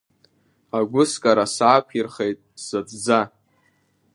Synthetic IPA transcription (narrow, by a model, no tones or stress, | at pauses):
aɡʷʊskʼaɾasaːpʷʰirχejtʼsat͡sʼd͡za